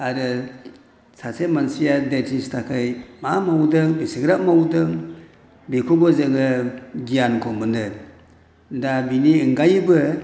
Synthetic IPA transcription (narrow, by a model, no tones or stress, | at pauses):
aɾɯ | sasemansijadetʰistʰakʰɯjmamawdɯŋbisiɡɾaʔmawdɯŋ | bekʰubɔzɯŋɯɡijankʰomɯnɯ | dabiniɯŋɡajbɯ